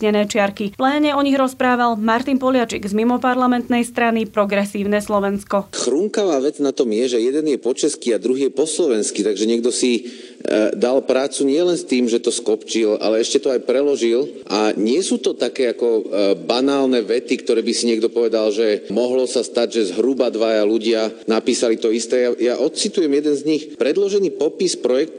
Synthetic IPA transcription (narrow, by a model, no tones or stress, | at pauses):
ɲɛnɛːt͡ʃɪaɾkiplɛːɲɛɔɲiɣɾɔspɾaːʋalmaɾt̪inpɔlɪat͡ʃɛɡzmimɔpaɾlamɛnt̪nɛjst̪ɾanipɾɔɡɾɛsiːʊnɛslɔʋɛnskɔxɾuŋkaʋaːʋɛd͡znat̪ɔmjɛʒɛjɛd̪ɛnjɛpɔt͡ʃɛskiad̪ɾuɦiːjɛpɔslɔʋɛnskit̪aɡʒɛɲɪɛɡ̚d̪ɔsi | d̪alpɾaːt͡suɲɪɛlɛnst̪iːmʒɛt̪ɔskɔpt͡ʃilʔa̰lɛɛʃcɛt̪ɔajpɾɛlɔʒilʔaɲɪɛsuːt̪ɔt̪akɛːakɔbanaːlnɛʋɛt̪ikt̪ɔɾɛːbisiɲɪɛɡd̪ɔpɔʋɛd̪alʒɛmɔɦlɔsast̪aɟʒɛzɦɾubad̪ʋajaluɟɪanapiːsalit̪ɔist̪ɛːjajaʔɔt̪t͡sit̪ujɛmjɛd̪ɛnzɲixpɾɛd̪lɔʒɛniːpɔpispɾɔjɛk̚t̪